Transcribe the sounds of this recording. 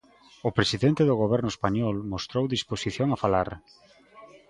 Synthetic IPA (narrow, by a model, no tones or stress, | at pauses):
ʊpɾesiðent̪eðʊɣoβɛɾnʊespaɲɔlmost̪ɾowðisposiθjoŋafalaɾ